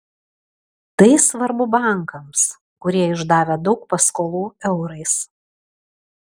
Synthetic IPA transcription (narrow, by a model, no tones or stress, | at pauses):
t̪ɐɪsʋɐɾbʊbɑˑŋkɐms | kʊɾʲiɛɪʒd̪ɑːʋʲɛd̪ɒʊk̚pɐskoːlˠuːɛʊɾɐɪs